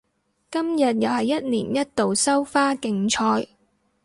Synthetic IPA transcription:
kɐ˥mjɐ˨t̚jaː˨jɐ˥t̚nḭː˨˩njɐ˦˥t̚t̪o˨wsɐ˥wfaː˥kɪ˧ŋt͡ʃʰɔː˧j

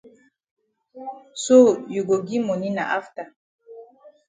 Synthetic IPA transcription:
so˦ju˨ɡo˨ɡi˦mo˨ni˦na̰˨ʔa˦fta˨

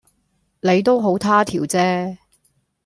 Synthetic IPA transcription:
ne˨˧jt̪̬o˥wɦo˨˥wt̪ʰaː˥t̪ʰiː˨˩wt͡sɛː˥

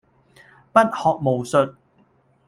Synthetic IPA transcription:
pɐ˥t̚hɔː˨k̚mo˨˩wsɵ˨t̚

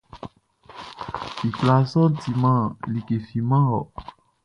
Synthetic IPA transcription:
i˨kla˨sɔ˦ti˨mã˦˨li˨ke˨fi˨mã˦ɔ˨

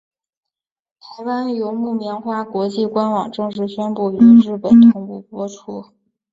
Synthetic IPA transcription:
t̪ʰa˧˥ɪwa˥njo˧˥ʊmu˥˩mjɛ˧˥nxwa˥˩kwɔ˧˥t͡ɕi˥˩kwa˥nwɑ˨˩ŋʈ͡ʂɤ˥˧ŋʂɻ̩˥˩ɕɥɛ˥npu˥˩y˨˧˩ɻ̩˥˩pə˨˩nt̪ʰʊ˧˥ŋpu˥˩pwɔ˥ʈ͡ʂʰu˥

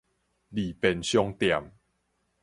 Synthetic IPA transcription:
li˨˩pɛ˧nɕjɔ˧ŋt̪ja˨˩m

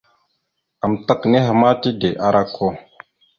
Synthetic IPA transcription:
a˨mta˦kne˦ɦa˨ma˦ti˦de˨ʔa˦ɾʔa˦kʰːo˦

